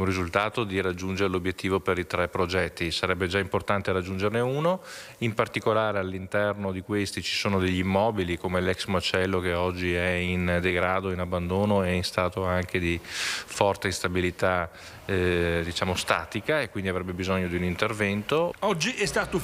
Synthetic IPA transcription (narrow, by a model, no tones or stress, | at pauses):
urizult̪aːt̪od̪irad͡ʒːund͡ʒeɾelobjet̪ʰːiːvopeɾit̪ɾɛpːɾod͡ʒɛt̪ːisaɾɛbːed͡ʒaimport̪ant̪eɾad͡ʒːund͡ʒerneuːno | impart̪ikolaːɾealːint̪ɛrnod̪ikwest̪it͡ʃi̥soːnod̪eʎːimːɔːbilikomelɛksmat͡ʃɛlːokeɔd͡ʒːiɛind̪eɡɾaːd̪oinabːand̪oːnoeinst̪aːt̪oaŋked̪ifɔrt̪eist̪abilit̪a | d̪it͡ʃaːmost̪aːt̪ikaekwind̪iavɾɛbːebizoɲːod̪iunint̪ervɛnt̪oɔd͡ʒːiɛst̪aːt̪o